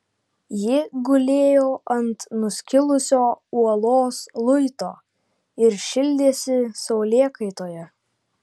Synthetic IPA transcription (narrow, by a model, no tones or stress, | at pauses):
jɪɡʊlʲeːjoːʔɐnt̪nʊsʲkʲɪlˠʊsʲoːuɔlˠoːslˠʊɪt̪oː | ɪɾʃʲɪlʲd̪ʲeːsʲɪsɐʊlʲeːkɐɪt̪oːjɛ